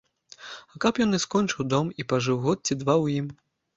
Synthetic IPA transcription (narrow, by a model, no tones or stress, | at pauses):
ɐkapjɔnɨskɔnʲt͡ʂɨwd̪ɔmipaʐɨwɣɔt̪̚t͡sʲid̪vawjim